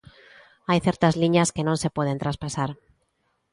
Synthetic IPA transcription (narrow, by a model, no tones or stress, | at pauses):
ajθje̞ɾt̪azliɲaske̞nõnse̞pwe̞ðe̞nt̪ɾaspasaɾ